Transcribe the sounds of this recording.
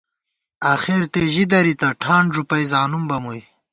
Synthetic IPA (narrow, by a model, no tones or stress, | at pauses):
aːxeɾt̪eʑid̪ɐɾit̪ɐʈʰaːɳʐupɐjzaːnumbɐmuj